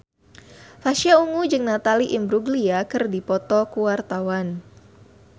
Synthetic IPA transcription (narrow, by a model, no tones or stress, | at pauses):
faʃiauŋud͡ʒɨŋnat̪aliʔimbɾuɡliakɨrdipɔt̪ɔkuwart̪awan